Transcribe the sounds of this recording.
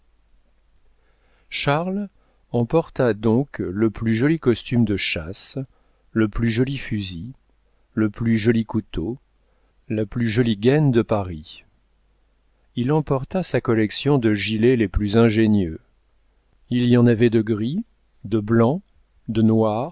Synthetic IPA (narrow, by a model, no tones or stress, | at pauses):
ʃaʁl | ɑ̃pɔʁt̪ad̪ɔ̃kləplyʒɔlikɔst̪ymd̪əʃas | ləplyʒɔlifyzi | ləplyʒɔlikut̪o | laplyʒɔliɡɛnd̪əpaʁi | ilɑ̃pɔʁt̪asakɔlɛksjɔ̃d̪əʒileleplyzɛ̃ʒenjø | ilijɑ̃navɛd̪əɡʁi | d̪əblɑ̃ | d̪ənwaːʁ